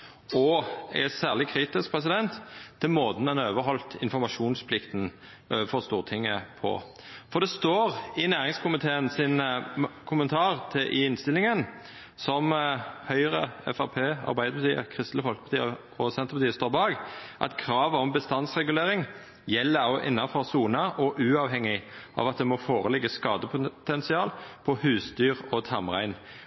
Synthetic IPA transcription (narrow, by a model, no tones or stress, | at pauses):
ɔɛ̰sæːʁlɪkʰɾiːt̪ɪsk̚pʰɾɛsɪd̪ɛnt̪ʰːɪlmoːd̪nɛnoːʋəɦɔlt̪ɪnfɔɾmɑʂuːnspʰlɪkt̪n | øfɔst̪uːʁət̪ʰɪŋːəpʰɔ̰ | fɔd̪ɛst̪oːʁɪnæːʁɪŋskʰʊmɪt̪ʰeːənsɪnkʰʊmənt̪ʰɑːʁt̪ʰɪʔɪɪnst̪ɪlːɪŋən | sɔmhœʏʁəɛ̰fɑʁpʰeːɑ̰ɾʁbæɪd̪əpɑt̪iːə̰kʰʁɪst̪ləfɔlkəpɑt̪iːə | ɔsɛnt̪əʁpɑt̪iːəst̪oːɾbɑːɡʔɑ̰t̪kʰʁɑːʋəɔmbəst̪ɑnsʁɛɡʉleːʁɪŋ | jɛlːəɑʊʔɪ̰nːɑfɔʁsuːnɑʔɔʔʉːɑːʋɦɛŋːɪʔɑ̰ːʋɑt̪̚d̪ɛmɔfoːʁəlɛɡːəskɑːd̪əpʰʊt̪ɛnsɪɑːlpʰɔhʉːsd̪yːʁɔt̪ʰɑmʁæ̰ɪn